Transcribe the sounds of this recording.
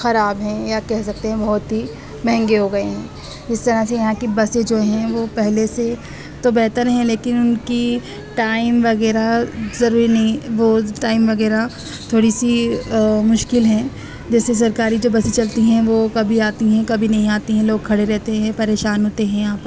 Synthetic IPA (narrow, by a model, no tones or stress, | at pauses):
xɐɾaːbɦɛ̃jakɛɦsɐk̚t̪ẽɦɛ̃bɐɦʊt̪ɦi | mɛ̃ɦɛ̃ŋɡeɦoɡɐeɦɛ̃ː | d͡ʒɪst̪ɐɾaɦsejɐɦãkibɐsed͡ʒoːɦɛ̃ʋopɛɦlese | t̪obɛɦt̪əɾɦɛ̃leːkɪnʊnki | ʈaːɪmʋɐɣɛːɾazɐɾuːɾinɐɦĩʋoʈaːɪmʋɐɣɛːɾa | t̪ʰoːɽisi | mʊʃkɪlɦɛ̃ | d͡ʒɛːses̬ɐɾkaːɾid͡ʒoːbɐsit͡ʃɐlt̪iɦɛ̃ʋokɐbʱiaːt̪iɦɛ̃kɐbʱinɐɦĩaːt̪iɦɛ̃loːɡ̚kʰɐɽeɾɛɦt̪eɦɛ̃pɐɾeːʃaːnɦoːt̪eɦɛ̃jɐɦãːpɐɾ